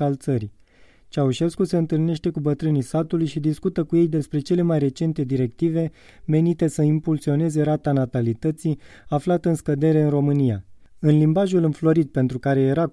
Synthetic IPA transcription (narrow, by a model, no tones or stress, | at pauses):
alt̪səɾi | t͡ʃauʃe̞skuse̞ɨnt̪ɨlne̞ʃt̪e̞kubət̪ɾɨnisat̪ulujʃid̪iskut̪əkuje̞jd̪e̞spɾe̞t͡ʃe̞le̞majre̞t͡ʃe̞nt̪e̞d̪iɾe̞kt̪ive̞ | me̞nit̪e̞səimpulsio̞ne̞ze̞ɾat̪anat̪alit̪ət̪siaflat̪əɨnskəd̪e̞ɾe̞ɨnro̞mɨnija̰ɨnlimbaʒulɨnflo̞ɾid̪̚pe̞nt̪ɾukaɾe̞je̞ɾa